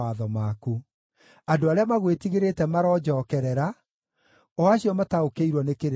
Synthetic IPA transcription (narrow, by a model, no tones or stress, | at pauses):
aðɔmaku | adoaɾeamaɣwetiɣeɾetɛmaɾɔːd͡ʒɔːkɛɾɛɾa | ɔaɕiɔmataokeiɾwɔnekeɾ